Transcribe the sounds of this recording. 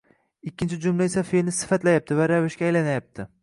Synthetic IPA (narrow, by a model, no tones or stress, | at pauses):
ɪkʲːɪnt͡ʃʰɪd͡ʒʊmlaesafelnɪsɪ̥fat̪lajap̚t̪ɪvaɾavɪʃkʲaːjlanajap̚t̪ʰɪ